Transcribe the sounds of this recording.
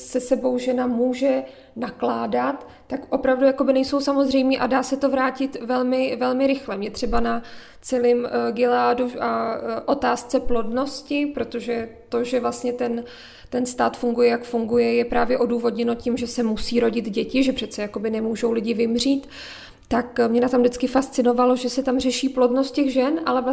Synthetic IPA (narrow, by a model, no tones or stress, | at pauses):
sɛsɛbo̞wʒɛnamuːʒɛ | naklaːdat̪ːakʔo̞pɾavdujako̞bɪnɛjso̞wsamo̞zrɛjmiːʔadaːsɛt̪o̞vɾaːcɪt̪vɛlmɪvɛlmɪɾɪxlɛmɲɛt̪r̝̥ɛbana | t͡sɛlɪmɡɪlaːduʔaʔo̞t̪aːst͡sɛplo̞dno̞scɪpɾo̞t̪o̞ʒɛt̪o̞ʒɛvlast̪ɲɛt̪ɛn | t̪ɛnst̪aːt̪fuŋɡujɛjakfuŋɡujɛjɛpɾaːvjɛʔo̞duːvo̞dɲɛno̞cɪmʒɛsɛmusiːɾo̞ɟɪd̪ɟɛcɪʒɛpr̥ɛt̪t͡sɛjako̞bɪnɛmuːʒo̞wlɪɟɪvɪmr̝iːt̪ː | akmɲɛnat̪amdɪt͡skɪfast͡sɪno̞valo̞ʒɛsɛt̪amrɛʃiːplo̞dno̞st̪̚cɛɣʒɛnʔa̰lɛ